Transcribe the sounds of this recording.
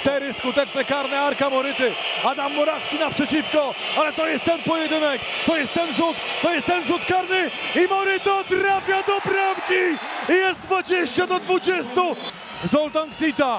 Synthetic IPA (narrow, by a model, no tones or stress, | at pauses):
ʂt̪ɛɾɘskut̪ɛt͡ʂnɛkaɾnɛaɾkamɔɾɘt̪ɘad̪amːɔɾaskʲinapʂɛt͡ɕifkɔ | alɛt̪ɔjɛst̪ːɛnpɔjɛd̪ɘnɛk | t̪ɔjɛst̪ːɛnzut̪ːɔjɛst̪ːɛnzut̪kaɾnɘimɔɾɪt̪ɔt̪ɾafʲjad̪ɔpɾamkʲiijɛst̪̚d̪vad͡ʑeɕt͡ɕad̪ɔd̪vud͡ʑɛst̪u | zɔlt̪ansit̪a